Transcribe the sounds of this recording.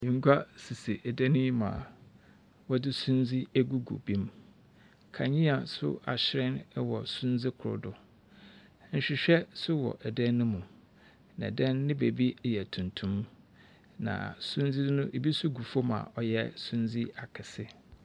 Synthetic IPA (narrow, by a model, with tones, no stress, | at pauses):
ŋ̩˦ɡu˦a˦si˨sɪ˨ʔɛ˨dɛ̃˦nĩ˦mã̰˨ | wɔ˦dɪ˦sũ˦n˦d͡zi˦æ˦ɡu˦ɡṵ˨bĩ˦m | kʰa̰˨ɲĩ˦a˨sʊ̰˦a̰˨ɕɪ˦ɾɪ̃˦n˦wɔ˨sũ˦n˦d͡zɪ˦kʰʊ˨ɾʊ̰˦˨dʊ˨˦ | ɲ̩˨ɕᶣɪ˨ɕᶣɛ˦sʊ˦wɔ̰˨ʔɛ˨dɛ̃˦nː˦ʊ̃˦mũ˨ | nã̰˨dɛ̃˦nːɪ̃˦be˨bi˦˨jɛ˨tʰũ˨ntʰũ˦m | nã̰˨sũ˦nzi˦ʊ̃˦ʔe˨bi˦sʊ˦ɡu˨fo˦mã̰˨ʔɔ˨jɛ˦sũ˦nzi˦a˨kʰɪ˨sɪ˦